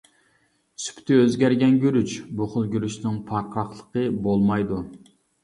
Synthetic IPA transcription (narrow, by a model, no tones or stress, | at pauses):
sy̥pt̪ʰɪøzɡʲæɾɡʲɛnɡʲyɾyt͡ʃbʊχʊlˠɡʲyɾyʃnɪŋpʰɑɾqʰɑχlˠəqʰəbolˠmɑjd̪u